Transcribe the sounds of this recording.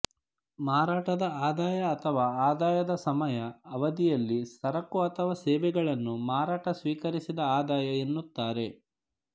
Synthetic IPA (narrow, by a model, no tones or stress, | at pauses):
maːɾaːʈɐd̪ɐaːd̪aːjɐːt̪ʰɐʋaːaːd̪aːjɐd̪ɐsɐmɐjɐːʋɐd̪ijɐlːisɐɾɐkːuɐt̪ʰɐʋaːsɛːʋɛɡɐɭɐnːumaːɾaːʈɐsʋiːkɐɾisid̪ɐaːd̪aːjɐenːut̪ːaːɾe̞